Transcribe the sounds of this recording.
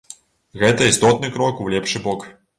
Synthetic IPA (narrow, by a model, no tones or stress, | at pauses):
ɣɛt̪ɐist̪ɔt̪nɨkɾɔkulʲɛpʂɨbɔk